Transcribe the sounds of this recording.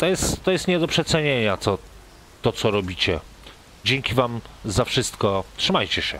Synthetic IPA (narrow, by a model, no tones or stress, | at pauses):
t̪ɔjɛst̪ːɔjɛst̪ɲɛd̪ɔpʂɛt̪sɛɲeɲat̪sɔ | t̪ɔt̪sɔɾɔbʲit͡ɕɛ | d͡ʑɛŋkʲivamzafʂɘst̪kɔtʂɘmajt͡ɕɛɕɛ̰